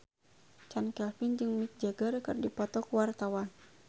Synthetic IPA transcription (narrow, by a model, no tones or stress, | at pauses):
t͡ʃankɛlfind͡ʒɨŋmik̪̚d͡ʒaɡərkɨrdipɔt̪ɔkuwart̪awan